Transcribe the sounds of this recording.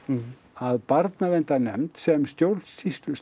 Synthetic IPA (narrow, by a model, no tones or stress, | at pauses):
aðpaɾt̪navent̪anɛ̰mt̪sɛmst̪jowɾlt̪sist̪lʏs